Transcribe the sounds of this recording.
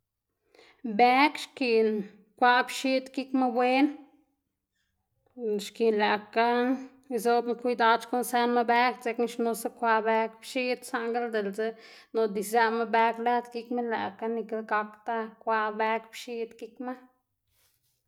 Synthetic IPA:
be˦kʃki˨n | kʷa˦bʃi˦t̪ki˦kma˦bwʷe˦n | ʃki˨la˨ka˦˧ | zo˧˦bkʷi˧d̪a˧t͡ʃko˦nsa˧nma˦˧be˦kt͡se˧kni˧ʃno˧sa˦kʷa˧ʔbe˧kpʃi˦d̪sa˧ŋɡa˦ld̪e˨lze˦no˨d̪i˨sza˧ma˦be˧kla˦d̪ki˧kme˦la̰˨ka˦ni˧ka˧˦ɡa˧kt̪a˦kʷa˧be˧kbʃi˧d̪ki˧kma˦

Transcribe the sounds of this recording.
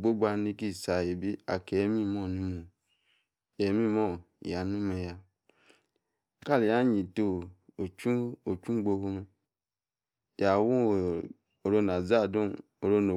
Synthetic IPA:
bo˦ɡ͡ba˦ni˦ki˦˨sa˨je˨bi˦a̰˨ke˨˦mi˦mo˦˨nu˦mo˨ | je˨˦mi˦mo˦˨ja˨nu˦me˨ja˨˦˨ | ka˦˨li˨ja˦ɲi˨to˦o˨t͡ʃu˦o˨t͡ʃu˦ɡ͡bo˧ho˧me˦ | ja˨wu˦˨ | o˨ɾo˦n˨a˨za˦˨do˦n | o˨ɾo˦no˨

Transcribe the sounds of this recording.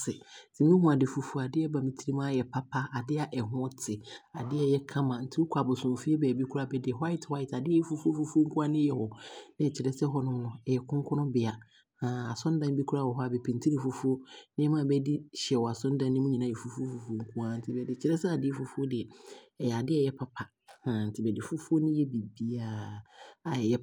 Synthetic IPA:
sɪ˨˦tʰɪ˨mĩ˦ɦʊ̃˨a˨dɪ˨fu˨fu˦˨a˨dɪ˦ɛ˦ba˨mĩ˨tʰi˦ɾi˦mã˦˨jɛ˨pʰa˦pʰa˦a˨dɪ˦a˨ʔɛ˨ɦʊ̃˦tʰɪ˨a˨dɪ˦ɛ˦jɛ˦kʰã˦mã˨n̩˦tʰɪ˦ʊ˦kʰʷa˨bʊ˨sʊ̃˨fi˦e˦bɛː˨bi˦kʰu˦ɾa˨bɛ˦dɪ˨ɦa˦ɪ˦twa˦ɪ˨tʰa˨dɪ˦ɛ˦ɛ˦fu˦fu˦o˦fu˦fu˦o˦ŋ˦ku˦a˦nɪ̃˦jɛ˨hɔ˨nɪ̃˦˨t͡ɕʰɪ˨ɾɛ˦sɛ˦ɦɔ˦nʊ̃˦m˦nʊ̃˦ɛ˨jɛ˨kʰʊ̃˦kʰɔ˦ʊ̃˦bɪ˨a˨ | ã˨a˨sʊ̃˦n˦dã˦n˦bi˦kʰu˦ɾa˦˨wɔ˨ɦɔ˦a˨bɛ˨pʰĩ˨ntʰi˦ɾi˨fu˨fu˦o˦nɪ̃˦ɛ˦mã˦˨bɛ˦di˦ɕɛ˨wɔ˨a˨sʊ̃˦n˦dã˨nː˦ɪ̃˦mũ˦ɲĩ˨nã˦˨ɛ˨fu˦fu˦o˦fu˦fu˦o˦ŋ̩˦kʰu˦a˦n̩˦tʰɪ˦˨bɛ˨dɪ˨t͡ɕʰɪ˦ɾɛ˦sɛ˦a˨dɪ˦ɛ˦fu˦fu˦o˦dɪ˨ɛ˨jɛ˨a˨dɪ˦ɛ˦˨jɛ˦pʰa˨pʰa˨ | hã˨n̩˨tʰɪ˨bɛ˨dɪ˨fu˦fu˦o˦nɪ̃˦jɛ˦bi˨bi˦a˦˨a˨jɛ˦

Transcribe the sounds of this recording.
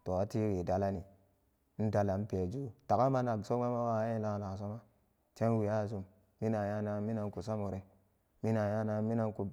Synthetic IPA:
to˨a˦ti˦wi˨da˦la˦ni˨ | n̩˦da˨la˨n˦pe˨d͡ʒu˦ta˨ka˦ma˦na˨ɡso˦ma˦ma˦wa˦je˦la˦˨la˨s̬o˦ma˦ | te˦n˦wi˨ja˦˨zu˨mː | i˦na˨ja˦na˨˦mi˦na˨n˦ku˨sa˦mo˨ɾe˦ | mi˦na˨ja˦na˨mi˦na˦n˦ku˨

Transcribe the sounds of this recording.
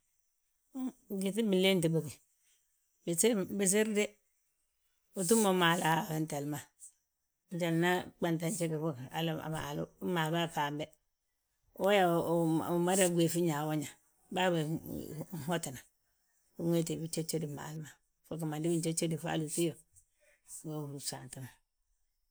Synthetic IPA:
ɡi˨ti˦bi˨le˦n˦t̬i˨bo˨ki˨ | bi˨sbi˨s̬i˦ɾde˦ | u˨t̬u˦mo˨˦ma˨la˨a˦˨ba˦n˦te˨lma˨ | n̩˦t͡ʃa˨lna˦k͡pa˨nta˨nt͡ʃe˦ke˨fo˦ka̰˨la̰˨ma̰˨lṵ˦ma˨ba˦˨fa˨be˦ | a˦ja˨ma˦ɾa˦ɡʷe˨fi˦ɲa˨wo˦ɲa˨ | ba˦ba˨˦˨ | ho˦ti˨na˨ | u˦ŋe˦te˨bi˦t͡ʃe˦t͡ʃe˦di˨ma̰˨lma˨ | fo˦k̬a˨ma˨di˦bi˦t͡ʃe˦t͡ʃe˦di˨fa̰˦lu˨ti˦jo˨ | wo˦˨u˨sa˨n˨ta˦ma˨

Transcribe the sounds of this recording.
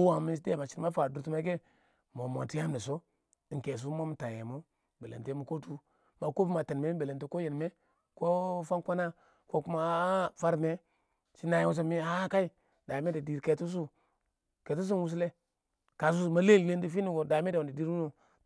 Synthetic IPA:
o˦wa˨mi˦sde˦˨ma˨t͡ʃi˦ɾma˦fa˨du˨ɾtu˦ma˦ɡe˦ | mo˨mo̰˨ti˦a˦mne˨so˦˨ | ŋ̩˨ke˨s̬u˦mo˦mu˨ta˨je˨mo˦ | be˨lḛ˨nte˦mu˨ko˦tu˦ | ma˨ko˦fma˨te˨n˨me˦be˨le˨te˨ko˦je˨n˨me˦ | ko˦fa˦nkʷa˦na˦ | ko˦ku˦ma˨˦a˦fa˦ɾme˦ | t͡ʃi˦na˨je˦wu˦s̬o˦me˦a˦ka˦i˦ | da˨me˦de˨di˨ɾke˨tu˦s̬u˦ | ke˨tu˦s̬u˦nwu˦s̬le˦ | ka˨s̬u˦su˨ma˦le˦˨le˦n˦di˦fi˦ni˨ɡo˨da˨me˦ddi˨di˦ɾu˦no˨

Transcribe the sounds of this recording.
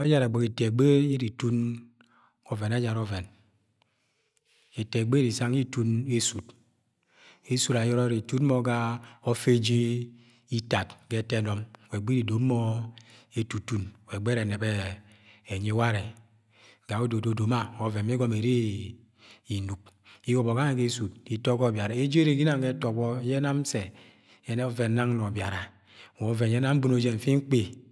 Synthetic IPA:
a˦d͡ʒa˦ɾa˨ɡ͡bo˨ke˨te˨ɡ͡be˦e˦ɾi˨tu˦n | ɔ˨ve˨na˦d͡ʒa˨ɾɔ˦ve˨n | e˨te˨ɡ͡be˦ɾi˨sa˦ŋi˦tu˦ne˦su˨t | e˦su˦ɾa˨jɔ˦ɾɔ˦ɾi˨tu˦tmo˦ɡa˦o˦fe˦d͡ʒe˦ | i˦ta˨tɡe˦te˦nɔ˨m˨we˨ɡ͡be˦ɾi˨do˨˦mɔ˦ | e˨tu˨tu˦nwe˨ɡ͡be˦ɾe˨ne˨be˦ | e˨ɲe˦wa˦ɾe˨ | ɡa˨o˦do˨do˨do˨ma˦o˨˦ve˨mi˦ɡo˦me˨ɾe˦ | i˨nu˨k̚ | i˦ɡo˨bo˨ɡa˦na˨ke˦su˨t̚di˨to˦kɔ˦˨bja˨ɾa˨e˦d͡ʒe˦ɾe˨ɡi˦na˨ŋ˦ɡe˦to˨bɔ˦je˦na˦m˦se˨ | e˨˦ne˦o˦ve˨na˦ŋ˦lo˨bja˨ɾa˨ | wo˨˦ve˨je˦na˦m̩˦bu˦no˨d͡ʒe˦ɱ̩˨fi˦ŋ̩˦k͡pe˦

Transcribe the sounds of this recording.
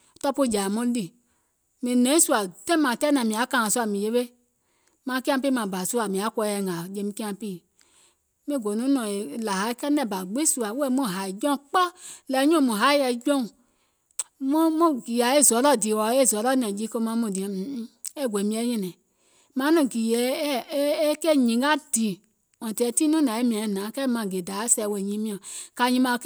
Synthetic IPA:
tɔ˦po˦˨d͡ʒa˨mũ˦li˨ | mĩ˨nɛ̃˨˦ĩ˦su˦a˨tɛ̃˦mã˨tɛ˦nɛ̃˨mĩ˨a˨˦kã˦˨ã˨su˦a˨mĩ˨je˦ɓe˦ | mã˨˦ki˦ã˦pi˦mã˨ba˨su˦a˨mĩ˨a˨˦kʷɔ˧˦ɛ˧˨ŋã˨d͡ʒe˧˦mĩ˧˦ki˦ã˧˦piː˦˨ | mĩ˦˨ɡo˨nũ˦nɔ̃˨e˨la˨ɦa˨˦i˦kɛ˦nɛ̃˨ba˨ɡ͡be˦su˦a˨wu˦ɛ˦mɔ̃˦˨ɦa˨i˨d͡ʒɔ̃˦˨k͡pɔ˦lɛ˨˦ɲɔ̃˦˨mũ˨ɦa˨˦i˦ɛ˧d͡ʒɔ̃˦ũ˨ | mɔ̃˦mɔ̃˦ɡi˨a˨e˦˨zɔ˨˦lɔ˦˨di˨wɔ˨˦e˦˨zɔ˨˦lɔ˦nɛ̃˨d͡ʒi˨˦ko˧˦mã˧˦mũ˨dĩ˨˦e˦˨ɡʷe˨mĩ˧˦ɛ˦ɲɛ̃˧nɛ̃˨ | mã˨˦nɔ̃˨ɡi˨jɛ˨˦e˦kɛ˦˨ɲĩ˨˦ɡa˦di˨ | wɔ̃˨tɛ˧˦tĩ˦nũ˦nã˨˦e˦mĩ˧ã˨nãː˨˦kɛ˦mã˧˨ɡe˨da˨˦sɛ˧˨we˧˨ɲĩ˨˦mĩ˦ã˨ka˧ɲĩ˧˦mã˧

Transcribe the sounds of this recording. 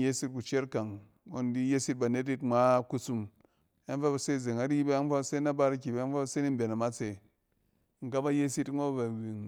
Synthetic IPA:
je˦si˦t̚ku˨t͡ʃe˦ɾka˨ŋ | o˦n˦di˦je˦si˦t̚ba˨ne˦t̬i˦tŋ͡mʷa˦ku˦su˧m | a˦n˦fa˦ba˨se˦˨ze˨ŋa˨˦ɾi˦ji˦ba˦a˦n˦fa˦se˦na˦ba˦ɾi˦kʲi˨ba˦nfa˦˨se˦ni˦m̩˦be˨na˨ma˦t͡se˨˦ | ŋ̩˨ka˦ba˦je˦si˦tmʷa˦ba˨ɡi˨ŋ

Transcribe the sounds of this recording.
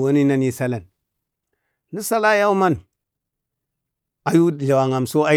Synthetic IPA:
wa˦ni˦na˦ni˦sa˦la˨n | i˦sa˦la˦ja˦u˦ma˦n | a˨ju˦˨ɮa˨wa˨ŋa˨mso˦a˦

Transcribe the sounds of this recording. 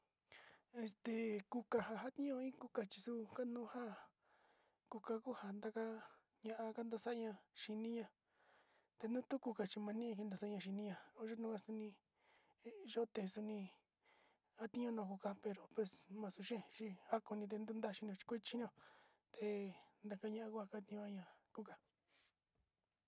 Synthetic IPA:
e˧st̪e˧˨ku˧ka˧ɦa˧ɦa˦t̪ĩ˦ɲõ˧ĩ˦ku˦ka˧t͡ʃi̥˧su˦ka˦nũː˦ha˦ | ku˧ka˧ku˦ha˧˨nd̪a˧ka˦ | ɲã˧ʔa˧ka˦nd̪a˧sa˦˧ɲã˧ʃi˧nĩ˦ɲã˧ | t̪e˧nũ˦t̪u˦ku˧ka˧t͡ʃi˧mã˧nĩ˦˧ki˧nd̪a˧sa˧˦˧ɲã˧ʃ̬i˧nĩ˧ɲã˧o˧˦ʒo˦nũ˧˦ka˧su˧nĩ˧˦ | ʒo˦t̪e˧su˧nĩ˧ | a˦t̪ĩ˦ɲõ˦nõː˧˨ku˧ka˧pe˧ɾo˨pwe˧smã˧su˧ʃẽ˦˨t͡ʃi˧a˦ko˧nĩ˧t̪̬e˧nd̪u˦nd̪a˦˧˨ʃi˧n˧õ˧t͡ʃi̥˧kʷi˦t͡ʃi˦n˦õ˧ | t̪e˧nd̪a˧ka˧˦ɲã˧ʔa˧ku˦ha˧ka˦t̪ĩ˧õ˧a˧ɲã˧ku˦ka˧

